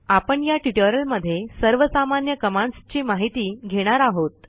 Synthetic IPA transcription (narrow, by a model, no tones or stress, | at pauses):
apəɳjaʈiʈoɾəlməd̪ʱːjesəɾʋəsamanjəkəmãɳst͡ɕiːmaɦit̪iːɡʱeɽ̃aɾaɦot̪